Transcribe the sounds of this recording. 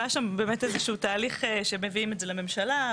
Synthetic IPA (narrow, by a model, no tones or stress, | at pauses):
aʃambe̞ːmetezeʃuutaːliχeʃemeviimezelame̞mʃala